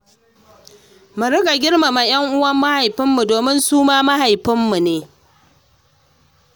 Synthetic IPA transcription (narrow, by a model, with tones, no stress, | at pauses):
mʊ˨ɾʊ˦ɡa˨ɡʲɪ˦ɽma˨ma˨j̰ɐ˦ŋʔʊ˦wɐ˦mːa˦ha˨jɸɪ˦mːu˨doː˨mɪ˦nsuː˦maː˦ma˦ha˨jɸɪ˦mːu˨neː˨